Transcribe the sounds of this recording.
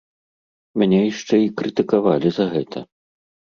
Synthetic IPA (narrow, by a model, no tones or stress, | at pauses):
mʲanʲɛjiʂt͡ʂɛikɾɨt̪ɨkavalʲizɐɣɛt̪ʰɐ